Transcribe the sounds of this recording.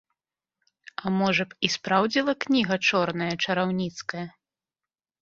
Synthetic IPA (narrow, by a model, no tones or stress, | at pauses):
ɐmɔʐɐpispɾawd͡zʲilˠɐknʲiɣɐt͡ʂɔrnɐjɐt͡ʂɐɾawnʲit̪skɐjɐ